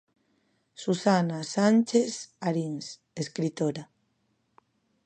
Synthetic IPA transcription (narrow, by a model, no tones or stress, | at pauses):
susanasant͡ʃesaɾins | eskɾit̪oɾa